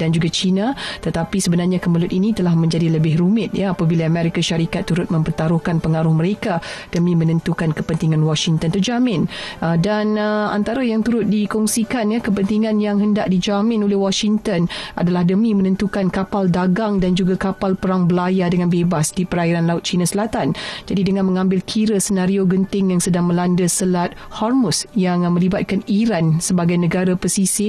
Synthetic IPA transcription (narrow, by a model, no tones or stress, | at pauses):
dand͡ʒuɡat͡ʃinãt̪ət̪apisəbənarɲakəməlʊt̪inĩt̪əlahmə̃ɲd͡ʒadiləbɪɦɾumɪt̪̚jaapabilaːmɛ̃ɾikaʃaɾikat̪ːuɾʊt̪̚mə̃mpərt̪aɾʊhkanpəŋaɾʊhməɾekad̥əmĩmənə̃nt̪ukankəpənt̪iŋãnwɔʃiŋt̪ənt̪əd͡ʒamɪ̃nədana̰nt̪aɾajaŋt̪uɾʊt̪̚dikɔŋsikanjakəpənt̪iŋãnjaŋɦəndaʔ̚did͡ʒamɪ̃nolehwɔʃiŋt̪ənʔa̰dalahdəmĩmənə̃nt̪ukankapaldaɡaŋdand͡ʒuɡakapalpəɾaŋbəlajadəŋanbebasdipəɾaiɾanlaʊt̪̚t͡ʃinasəlat̪and͡ʒadidəŋãnməŋãmbɪlkʰiɾəsənaɾioɡənt̪ɪŋjaŋsədaŋmə̃landəsəlat̪̚hɔrmʊsjaŋmə̃libat̪̚kaniɾansəbaɡajnəɡaɾapəsisi